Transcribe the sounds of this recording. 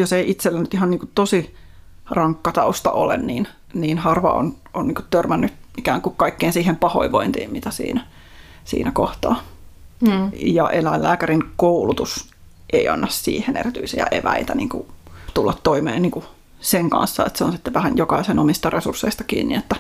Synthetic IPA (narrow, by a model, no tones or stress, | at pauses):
joseiit̪selːænyt̪ihɑnniːŋkutt̪osi | rɑŋkːɑt̪ɑust̪ɑ̰ʔo̰lḛnniːn | niːnhɑrʋɑ̰o̰n | ʔonniːŋku̥t̪t̪ørmænːytikæːŋkukkɑikːeiːnsiːhempɑho̰iʋoint̪ḭːmmit̪æsḭːnæ | sḭːnækoht̪ɑ̰ː | jɑʔelæilːæːkæɾinkoulut̪us | ʔeiɑ̰nːɑssḭːhenḛrit̪yisijæ̰ʔḛʋæ̰it̪ænḭːŋkṵt̪ulːɑt̪toimḛːnniːŋku | seŋkɑ̰̃nsːɑḛt̪seonsit̪ːeʋæhænjokɑisenomist̪ɑresursːeist̪ɑkḭːnnḭet̪ːæ